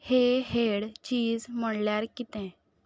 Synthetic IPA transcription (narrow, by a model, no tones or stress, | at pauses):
heɦeɽt͡ɕiːd͡zm̤əɽljaɾkit̪ɛ̃